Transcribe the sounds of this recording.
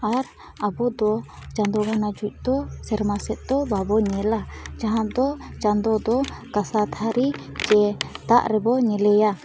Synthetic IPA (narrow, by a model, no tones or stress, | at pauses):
aɾ | abɔd̪ɔt͡ʃand̪ɔɡʱanad͡ʒuc̚ˀd̪ɔsɛɾmasɛt̪̚d̪ɔbabɔɲɛlad͡ʒaɦãd̪ɔt͡ʃand̪ɔd̪ɔkasat̪ʰaɾi | d͡ʒɛt̪aʔɾɛbɔɲɛlɛja